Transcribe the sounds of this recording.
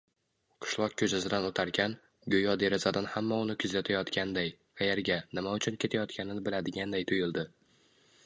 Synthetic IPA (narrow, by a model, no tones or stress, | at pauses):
qʰɨ̥ʃlˠɒq̚kʲʰɵt͡ʃazɪd̪anot̪ʰaɾkʲʰan | ɡʲojɒd̪e̞ɾɪzad̪anhamːaʊnɪkʰʊzat̪ʰajɒt̪kʲand̪ajqʰɑjeɾɡʲanɪmaʊt͡ʃʰʊnkʲe̞t̪ʰajɒt̪kʲʰanɪnɪbɪlad̪ɪɡʲand̪ajt̪ʰʊjɪlˠd̪ɪ